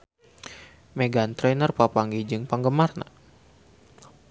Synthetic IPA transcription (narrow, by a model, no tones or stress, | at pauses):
meɡant̪ɾɛnərpapaŋɡid͡ʒɨŋpaŋɡəmarna̰